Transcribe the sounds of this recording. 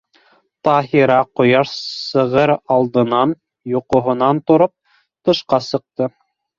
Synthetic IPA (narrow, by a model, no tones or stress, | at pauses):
t̪ɑɦiɾɑqŏjɑʃsɤ̆ʁɤɾɑlˠd̪ɤ̆nɑn | juqŏɦŏnɑnt̪ŏɾop̚ | t̪ɤ̆ʃqɑsɤ̆q̚t̪ɤ